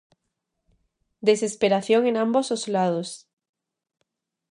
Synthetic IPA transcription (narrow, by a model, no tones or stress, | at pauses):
d̪ese̞speɾaθjoŋenãmbosozlað̞os